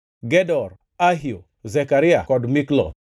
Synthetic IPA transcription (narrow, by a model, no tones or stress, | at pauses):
ɡɛdɔr | aɦio | zɛkaɾɪakɔdmiklɔ̰